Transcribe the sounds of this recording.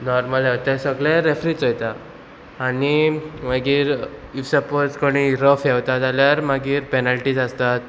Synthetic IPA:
nɔɾməlɦewt̪ɛsəɡɭɛɾefɾiːt͡sɦojt̪aː | nimaɡiːɾifsəpoɾt͡skəɽ̃iɾəfɛwt̪at̪aljaɾmaɡiːɾpɛnalʈid͡zast̪at̪̚

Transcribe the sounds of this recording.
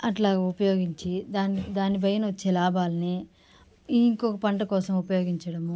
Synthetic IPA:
ɐʈlaːɡɐːupɐjoːɡiɲt͡ʃid̪aːnd̪aːnibɐjɐnɐʋɐt͡ʃːeːlaːbaːlɐni | iŋkɔkɐpɐɳʈɐkɔːsɐmupɐjoːɡiɲt͡ʃɐɽɐmu

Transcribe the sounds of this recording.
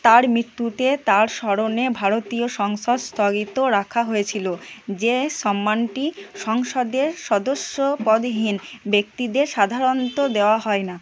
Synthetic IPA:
t̪aɾmɾit̪ːut̪et̪aɾʃɔɾonebʱaɾot̪ioʃɔŋʃod̪st̪ʰɔɡit̪oɾakʰaɦojet͡ɕʰilod͡ʑeʃɔmːanʈiʃɔŋʃod̪eɾʃɔd̪oʃːopɔd̪ɦinbek̚t̪id̪eɾʃad̪ʱaɾont̪od̪eoaɦɔena

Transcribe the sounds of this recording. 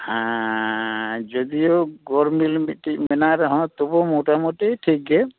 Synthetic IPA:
hã | d͡ʒɔd̪ijoɡɔɾmilmʈimɛnaɾɛɦɔ̃t̪ɔbɔmɔʈamɔʈiʈʰik̚ɡɛ

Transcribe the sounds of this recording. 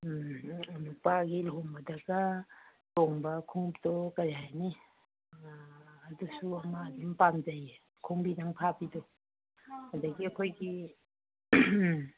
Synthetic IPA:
nupaɡilɦoŋbɐdaɡɐtoŋbɐkʰuŋptɔkaɾajni | dusuɐmadimpamd͡ʒaje | kʰuŋbidaŋpʰabidɔ | hadɐɡiɐkʰojɡi

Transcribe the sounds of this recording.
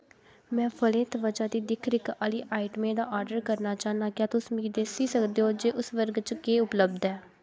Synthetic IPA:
mɛ̃ːpʰəleːt̪ʋəd͡ʒaːd̪iːd̪ɪkʰɾɪkaːliːʔaːiʈəmẽːd̪aːʔɔːɾɖəɾkəɾnaːt͡ʃaːnaːkɪjaːt̪ʊsmiːd̪eːsiːsəkd̪eːɦoːd͡ʒeːʔʊsʋəɾɡt͡ʃkeːʊpləbd̪ɛː

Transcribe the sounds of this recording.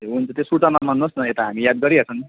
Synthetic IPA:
eunt͡sʌt̪esuʈanamanosnʌet̪aɦamijad̪̚ɡʌɾiɦʌt͡sʰʌni

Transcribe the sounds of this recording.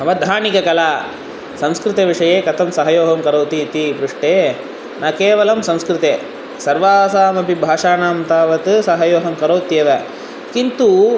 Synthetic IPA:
ɦɐʋɐd̪ʱaːnikɐkɐlaː | sɐ̃mskɾɨt̪ɐʋiʂɐjeːkɐt̪ɐmsɐɦɐjoːɦɐmkɐɾoːt̪it̪ibɾuʂʈeː | naːkeːʋɐlɐmsɐ̃m̃skɾɪt̪eː | sɐɾʋaːsaːmɐpibʱaːʂaːnaːmt̪aːʋɐt̪ɨsɐɦɐjoːɦɐmkɐɾoːt̪jɐʋɐ | kint̪u

